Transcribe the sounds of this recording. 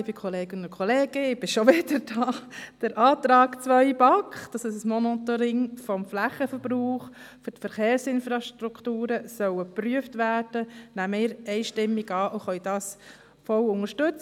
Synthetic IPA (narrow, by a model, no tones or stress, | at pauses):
bikʰχɔleːɡənʊkʰχɔleːɡ̥əɪb̥ɪʃoʋɪdəɾd̥ɑːd̥əɾʔɑːt̪ɾɑːɡt͡sʋœʏbɑkχd̥ɑsɪsəsmɔnɔt̪ɔɾɪŋfɔmflæχəfəɾb̥ɾuːχ | fɔtfəɾχeːɾsɪnfɾɑʃtɾukχtuːɾəsœwəpɾyəftʋæːɾd̥ənæməɪːɾɛɪʃtɪmːiɡɑːʔoχœʏd̥ɑːs | fɔlʊŋəɾʃtʉt͡s